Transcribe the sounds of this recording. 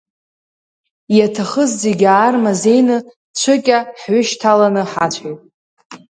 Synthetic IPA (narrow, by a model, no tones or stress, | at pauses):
jatʰaχəzzeɡʲaːrmaze̞jnɨ | t͡ʃʷʰɨkʲʼaħɥʷʏʃtʰalanɨħat͡ʃʷʰʼajtʼ